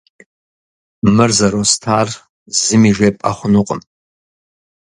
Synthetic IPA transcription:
mɨrzɐɾostʰaːr | zɨmiʒʷepʼaχʷʊnʊqʼə̰m

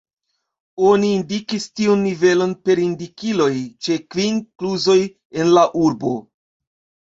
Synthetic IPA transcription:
o̞niːndikistiunːive̞lo̞npe̞ɾindikilo̞jt͡ʃe̞kvinkluzo̞j | e̞nlaʔuɾbo̞̰

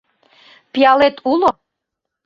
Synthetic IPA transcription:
pijɑlet̪ʰulo

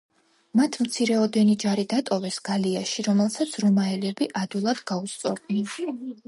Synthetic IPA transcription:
mat̪ʰmt̪sʰiɾɛɔd̪ɛnid͡ʒaɾid̪at̪ʼɔvɛsɡ̥aliaʃiɾɔmɛlˠsat̪sʰɾɔmaɛlɛbiʔad̪ulˠad̪̥ɡaust̪sʼɔɾd̪nɛn

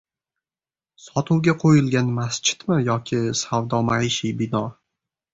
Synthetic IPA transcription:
sɒt̪ʰʊwɡʲaqʰojɪlɡʲanmast͡ʃʰɪ̥t̪mɪjɒkʲʰɪsawd̪ɒmaiʃibɪnɒ

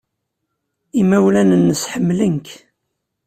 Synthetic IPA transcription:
imæwlænənːəsħəmːlənk

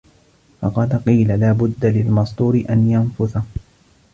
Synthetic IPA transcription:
fɑqɑd̪qiːlalaːbʊd̪ːalɪlmɑsˤd̪ˤuːɾɪʔanjanfʊθa

